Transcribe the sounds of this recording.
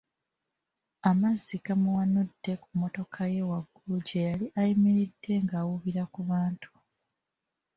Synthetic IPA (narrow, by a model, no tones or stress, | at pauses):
amazikamuwanudːe̞kumo̞to̞kʰaje̞waɡːuluɟe̞jaliʔajimiɾidːe̞ŋɡaːwuβiɾakuβaːntʰu̥